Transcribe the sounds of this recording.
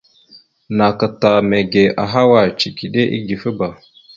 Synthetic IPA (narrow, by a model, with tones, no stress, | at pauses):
na˨kə˨ta˨me˨ɡe˨ʔa˨ɦa˦wa˨t͡ʃi˨ki˨ɗe˦ʔḭ˦ɡi˨fə˦ba˨